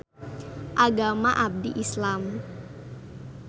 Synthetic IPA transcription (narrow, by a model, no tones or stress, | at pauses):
ʔaɡamaʔab̚d̪iʔislam